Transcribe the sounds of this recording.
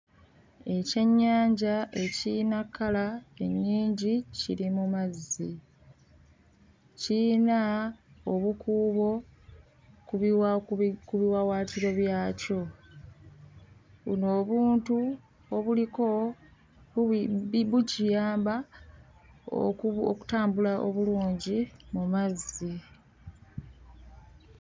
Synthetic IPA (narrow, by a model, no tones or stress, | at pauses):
e̞ce̞ɲːaːɲɟaʔe̞cinakːalae̞ɲːiːɲɟicḭɾimumazːi | cinaoβukʰuːβo̞ | kuβwakuβiwawaːtiɾo̞βjaːco̞ | βṵno̞ːβuːntu | oβuliko̞ | βucijaːmba | o̰oku̥taːmbulaʔoβuluːɲɟimumazːi